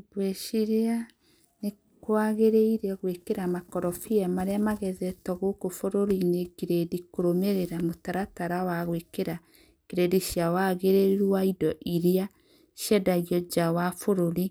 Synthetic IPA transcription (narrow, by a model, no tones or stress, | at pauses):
bwɛʃiɾea | ne | kwaɣeɾeiɾeaɣwekeɾamakɔɾɔfiamaɾeamaɣɛðɛtɔɣokofoɾoɾinekeɾedikoɾomeɾeɾamotaɾataɾawaɣwekeɾa | keɾediʃjawaɣeɾeɾuaidɔʔiɾea | ʃjɛdaɣjɔd͡ʒawafoɾoɾi